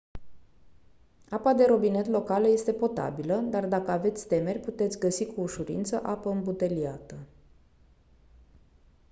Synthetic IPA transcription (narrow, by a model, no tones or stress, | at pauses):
apad̪e̞ɾo̞bine̞t̪lo̞kaləje̞st̪e̞po̞t̪a̰biləd̪ard̪akəave̞t̪sʲt̪e̞me̞rʲput̪e̞t̪sʲɡəsikuːʃuɾḭnt̪səʔapəɨmbut̪e̞liat̪ə